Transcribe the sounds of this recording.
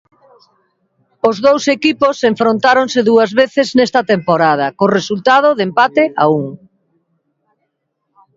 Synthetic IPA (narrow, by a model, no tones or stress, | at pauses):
ozðowsekiposeɱfɾont̪aɾõŋsɪðuɐzβeθɪznɛst̪ɐt̪empoɾað̞ɐkoresult̪að̞oðempat̪ea̰uŋ